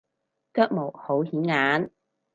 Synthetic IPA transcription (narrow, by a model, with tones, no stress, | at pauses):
kœː˥k̚mo˨˩who˨˥whiː˨˥nŋaː˨˥n